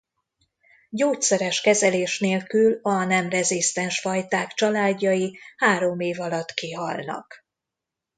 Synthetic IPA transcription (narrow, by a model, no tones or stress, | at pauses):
ɟoːt̪sɛɾɛʃkɛzɛleːʃneːlkylɒnɛmrɛzist̪ɛnʃfɒjt̪aːkt͡ʃɒlaːɟːɒjihaːɾo̞meːvɒlɒt̪ːkiɦɒlnɒ̰k